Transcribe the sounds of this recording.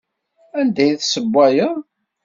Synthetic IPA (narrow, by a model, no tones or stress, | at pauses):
ænd̪æjθsəbʷːæjə